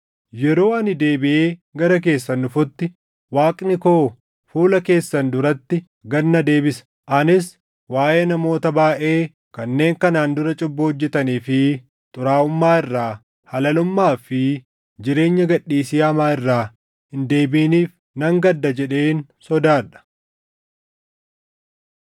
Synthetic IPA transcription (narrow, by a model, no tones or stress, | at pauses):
jɛɾo̞ːɐnɪd̪e̞ːbɪʔe̞ːɡɐɾɐk̬e̞ːsːɐnːʊfʊt̪ːɪ | waːkʼnɪko̞ː | fuːlɐke̞ːsːɐnd̪ʊɾɐt̪ːɪ | ɡɐnːɐd̪e̞ːbɪsɐ̥ | ʔɐnɪs | waːjeːnɐmo̞ːt̪ɐbaːʔe̞ː | kɐnːe̞ːŋkɐnaːnd̪ʊɾɐt͡ʃʼʊbːɐhɔd͡ʒːɛt̪ɐniːfɪ | t̪ʼʊɾaːʊmːaːɪrːaː | hɐlɐlʊmːaːfɪ | d͡ʒɪɾe̞ːɲːɐɡɐᶑːiːsiːɐmaːɪrːaː | hɪnd̪e̞ːbiːniːf | nɐŋɡɐd̪ːɐd͡ʒɛᶑe̞ːnsɔd̪aːᶑɐ̥